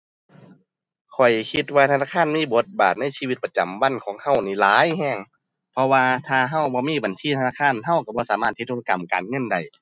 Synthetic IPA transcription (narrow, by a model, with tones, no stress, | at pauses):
kʰɔ˨˩jkʰi˧t̪̚waː˧t̪ʰnaː˧˩kʰaː˧˥˨nmiː˧˥˨bo˨˧˦t̪̚baː˨˩t̪̚na˧˥˨jsiː˧i˧t̪̚pa˧t͡ɕa˨˩mwa˧˥˨nkʰɔː˨˦ŋha˧˥˩wniː˧˩˨laː˨˦jhɛː˧˥˩ŋ | pʰɔ˧waː˧t̪ʰaː˧ɦa˧˩˨wbɔː˧˦miː˧˥˨ba˨nsiː˧˩t̪ʰa˧naː˧˥˩kʰaː˧˥˨nɦa˧˨wka˧˩bɔː˧˨saː˨˦maː˧˩t̪ʰːi˧t̪ʰoː˧la˧ka˨˩mka̰ː˨˩nŋɤ˧˥˨nda˨˩j